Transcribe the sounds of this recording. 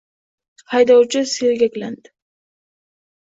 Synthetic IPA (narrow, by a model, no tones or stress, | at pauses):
hajd̪ɒwt͡ʃɪselɡʲakʲland̪ɪ̥